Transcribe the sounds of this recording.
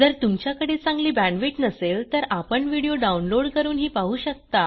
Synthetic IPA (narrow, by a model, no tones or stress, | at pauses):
d͡zəɾt̪umt͡ɕjakəɽeːt͡sãŋɡliːbænʋiʈnəselt̪əɾapəɳʋiɽijoɖaunloɽkəɾuːnɦiːpaɦuːɕək̚t̪a